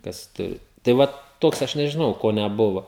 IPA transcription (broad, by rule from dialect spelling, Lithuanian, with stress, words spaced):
kɐs ˈtʊrʲɪ tɐɪ ˈʋɐt ˈtoːks ɐʃ nʲɛʒʲɪˈnɐʊ ˈkoː nʲɛˈbʊʋoː